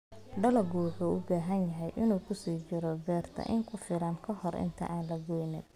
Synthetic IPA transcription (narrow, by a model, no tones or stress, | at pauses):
ɖɐlɐɡuːħuːʊbaːɦɐnjɐɦɛjʔɪnuːkʰʊsiːt͡ʃɪɾɔbɛːrt̪ʰɐ̰ʔɪŋkʰʊfɪlɐnkʰɐhɔrʔɪ̰nt̪ʰɐ̰ʔaːnlɐɡɔjnɪn